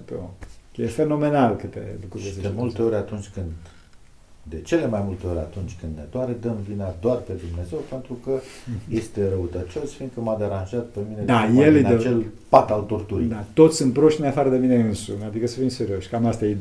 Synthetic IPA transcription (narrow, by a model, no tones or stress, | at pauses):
pojefe̞no̞me̞nalkɨt̪e̞̰lukɾuɾeseemult̪e̞o̞ɾʲat̪unt͡ʃʲkɨnd̪ | e̞t͡ʃe̞le̞majmult̪e̞o̞ɾʲa̰t̪unt͡ʃʲkɨnd̪ned̪oaɾed̪əmvinad̪oarpe̞d̪umne̞ze̞wpent̪ɾukəje̞st̪e̞ɾəut̪ət͡ʃo̞sfind̪̚kəmad̪e̞ɾanʒat̪̚pemined̪ajeld̪et͡ʃel | pat̪alt̪ort̪uɾid̪at̪o̞t̪sʲsɨnt̪̚pɾo̞ʃt̪ineafaɾəd̪e̞mine̞ɨnsṵnad̪ikəsəfimseɾio̞ʃʲkamast̪aje